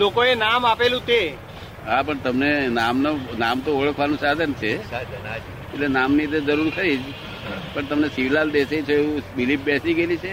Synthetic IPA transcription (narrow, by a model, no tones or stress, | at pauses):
lokoenamapelũt̪e | ɦapəɳt̪əmnenamnonamt̪oəɭəkʰʋanũsad̪ʱənt͡ʃʰe | etlenamnid̪ed͡ʒəɾuɾkəɾid͡ʒ | pəɳt̪əmnesiʋlald̪esait͡ʃʰeeũbilip̚bɛsiɡelit͡ʃʰe